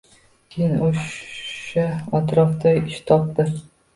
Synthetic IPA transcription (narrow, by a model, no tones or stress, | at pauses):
kʲʰejɪnoʃʃaat̪ʰɾɒfd̪aɪʃt̪ʰɒp̚d̪ɪ